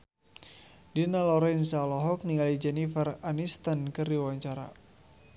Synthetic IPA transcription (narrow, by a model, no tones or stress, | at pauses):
dinalɔɾɛnsalɔɦɔk̚niŋalid͡ʒɛnifəranist̪ankɨrdiwaɲt͡ʃaɾa̰